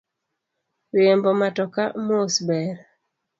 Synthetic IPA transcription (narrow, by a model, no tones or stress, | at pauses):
ɾiembomatɔkamosbɛɾ